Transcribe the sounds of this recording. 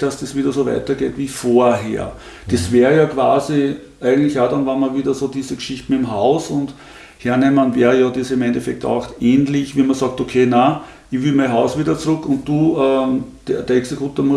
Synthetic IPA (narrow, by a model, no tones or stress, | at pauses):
d̥asd̥esʋiːdɐsoʋæ̰ɪtɐɡ̥ḛːtʋiːfoːɐɦḛːɐ | d̥esʋɛːʁəjɑkʰv̥aːzi | ʔæɪɡəŋntlɪçaːdɑnvamɐviːdɐsoːdiːzəɡʃiçtn̩ɪmɦaʊsʊ̃nt | hɛɐnɛmənvɛːʁəjɑdesɪmẽndefɛk̚ta̰ʊxeːnlɪçʋiːmɐsɑk̚tokʰeːna | ɪçʋɪlmæɪnɦɑʊsʋiːdɐt͡sʁʊkːʊnt̚d̥uːəd̥ɛd̥eɐeksekʰjuːtəmu